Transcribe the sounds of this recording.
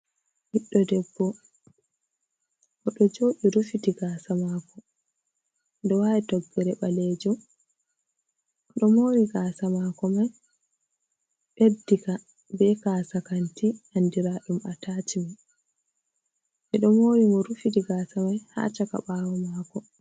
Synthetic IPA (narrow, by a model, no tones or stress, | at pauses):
hiɗːɔdɛbːɔ | ʔɔɗɔd͡ʒoːɗiɾufitiɡaːsamakɔ | ndɛwaɛtɔɡːɛɾɛɓaled͡ʒum | ɗɔmoɾiɡaːsamakɔmaj | ɓedːika | bɛkaːsakantiʔandiɾaɗumatatima | ʔɛɗɔmoːɾimɔɾufitiɡaːsamajha̰t͡ʃaka̰ɓaːwɔmaːkɔ